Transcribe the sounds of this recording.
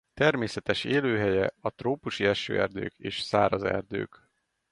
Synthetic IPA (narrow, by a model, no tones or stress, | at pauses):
t̪ɛrmeːsɛt̪ɛʃeːløːɦɛjɛɒt̪roːpuʃiɛʃø̰ːʔɛ̰rd̪ø̰ːkeːʃsaːɾɒzɛ̰rd̪ø̰ːk